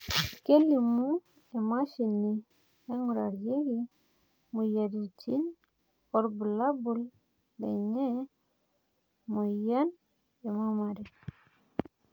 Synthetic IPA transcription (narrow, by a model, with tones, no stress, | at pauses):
ke˦li˨mu˦ | e˨ma˦ʃi˨nːi | e˦ŋu˨ɾa̰˨ɾje˦ɡi˦ | mu˨ja˨di˨t͡ʃi˦n | o˨ɾbu˨la˦bu˨l | dḛ˨ɲe˦ | mo˨ja˦n | e˨ma˦ma˨ɾe˨